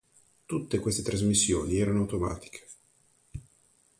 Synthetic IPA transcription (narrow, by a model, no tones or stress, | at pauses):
t̪ut̪ːekwest̪et̪ɾazmisːjo̰ːniɛːɾanoawt̪oma̰ːt̪i̥kʰe̥